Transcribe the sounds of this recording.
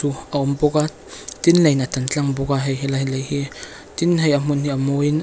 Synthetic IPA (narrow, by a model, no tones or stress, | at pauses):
uaomboɡattinlajnatant͡ɬaŋboɡaɦejɦelahilajhi | tinɦajamunhiamojn